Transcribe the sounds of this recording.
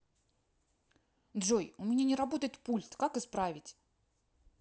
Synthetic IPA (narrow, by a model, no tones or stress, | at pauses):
d̪ʐojʊmʲɪnʲanʲɪɾɐbo̞t̪əjɪt̪pulʲt̪kakɨspɾavʲɪtʲ